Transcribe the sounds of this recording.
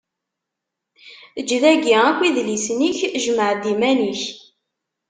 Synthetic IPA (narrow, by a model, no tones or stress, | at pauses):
əd͡ʒːðæɡiækʷːiðlisniçʒəməʕd̪imæniç